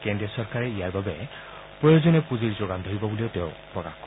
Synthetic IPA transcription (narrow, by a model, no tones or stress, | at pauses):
kendɹiɔsɔɹkaɹɛijaɹbabɛ | pɹojozɔnɛpuziɹzoɡandʱoɹibɔbulieʊteʊ̃pɹɔka̰xkɔ